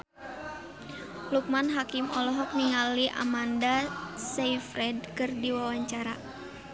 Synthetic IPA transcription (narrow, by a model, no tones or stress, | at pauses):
luk̚manɦakimɔlɔɦɔk̚niŋaliʔa̰mandasaifɾɛd̚kɨrdiwawaɲt͡ʃaɾa